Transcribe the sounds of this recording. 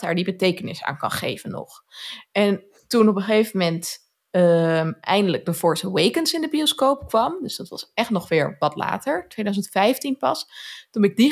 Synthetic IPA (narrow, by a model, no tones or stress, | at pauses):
aːɹdibətejkənɪ̰sa̰ːnkɑ̰nχḛjvənːɔ̰χ | ɛn | tunɔpəχejvəmɛnt | ʔɛ̰jndələɡ̚dəvɔɹsəwejkənsɪndəbioskowpkʋɑmdɵsdɑtʋɑ̰sɛχtnɔχʋɪːɹʋɑtla̰ːtəɹtʋejdœɥzəntfɛjftinpɑ̰stunbɛɪɡ̚di